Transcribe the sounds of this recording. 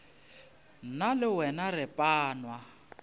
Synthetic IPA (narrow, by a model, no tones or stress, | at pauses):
nalɪwɛnarɪpʼaːnwa